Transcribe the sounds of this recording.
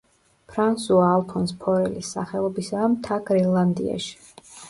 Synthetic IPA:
pʰɾansuaːlˠpʰɔnspʰɔɾɛlisːa̰χɛlˠɔbisamt̪ʰaɡɾɛlˠand̪ḭa̰ʃi̥

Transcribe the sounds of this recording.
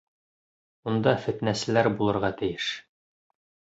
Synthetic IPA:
und̪ɑfɘ̆t̪næsɘ̆læɾbulˠɤ̆ɾʁɑt̪ɘ̆jɘʃ

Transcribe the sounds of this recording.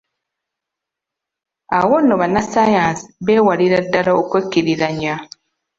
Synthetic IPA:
awonːoβanasajaːnsi̥βe̞ːwaliɾadːalaokwecːiɾiɾaɲa

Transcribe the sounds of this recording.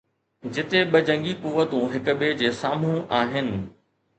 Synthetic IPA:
d͡ʑɪt̪eɓɐd͡ʑɐ̃ŋɡikuːʋət̪ũɦɪkʊ̆ɓeːd͡ʑeːsaːm̤ũʔaːɦɪnɪ̆

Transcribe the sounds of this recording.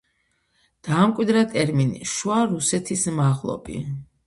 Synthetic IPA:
d̪̥aːmkʼwid̪ɾat̪ʼɛɾminḭʃuaɾusɛt̪ʰismaʁlˠɔ̰pʼḭ

